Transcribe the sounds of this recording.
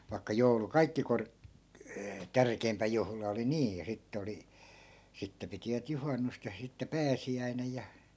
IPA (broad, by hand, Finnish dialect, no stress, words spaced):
ʋɑi̯kːɑ joulu kɑikːi kork tærkei̯mpæ juhlɑ oli niːj jɑ sitːĕ oli sitːe pitiʋæt juhɑnːust jɑ sitːe pæːsiæinej jɑ